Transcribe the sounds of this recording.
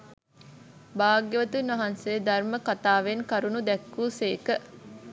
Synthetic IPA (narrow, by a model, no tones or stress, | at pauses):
baːɡjəʋət̪unɐɦɐnseːd̪ɐrməkat̪aːʋenkɐɾunud̪ɛkːuːseːkə